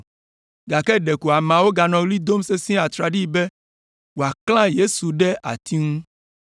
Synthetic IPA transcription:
ɡa˨kɛ˦ɖe˨ku˨a˨mã˨wo˦ɡa˨nɔ̃˨ɡli˦d̪o˦m˦se˦sĩ˦a˨t̪ɾa˨ɖi˦bɛ˦ | wo˨a˨kl̃ã˦je˦su˨ɖɛ˦ʔa̰˨t̪i˦ŋũ˦

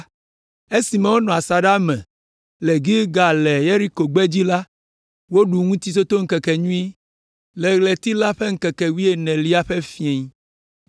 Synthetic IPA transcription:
e˦si˨mɛ̃˦wo˦nɔ̃˨a˨sa˨ɖa˦mɛ̰̃˨ | le˨ɡi˦ɡa˨lɛ˨je˦ɾi˦ko˨ɡ͡bɛ˦d͡ʑi˦la˦ | wo˦ɖu˨ŋũ˦t̪i˦so˦t̪o˦ŋ̩˦kɛ˨kɛ˨ɲũ˦i˦ | lɛ˨ɣlɛ˨t̪i˦la˦ɸe˦ŋ̩˦kɛ˨kɛ˨wi˦e˨nɛ̃˨li˦a˦ɸɛ˦fi˨˦e˨ɲ˦

